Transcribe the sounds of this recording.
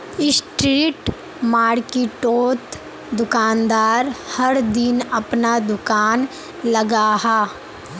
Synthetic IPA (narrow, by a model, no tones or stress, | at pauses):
ɪsʈɾiːʈ | maːɽkiʈoːt̪ | d̪ʊkaːnd̪aːɾhɐɾd̪ɪnɐpnad̪ʊkaːn | lɐɡaːɦaː